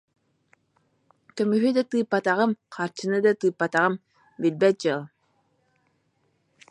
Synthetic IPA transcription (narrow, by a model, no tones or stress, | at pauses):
k̪œmyɦyd̪at̪ɯːpːat̪aʁɯmqʰaɾt͡ʃɯnɯd̪at̪ɯːpːat̪aʁɯm | bilʲbɛt̪̚d͡ʒɯlˠ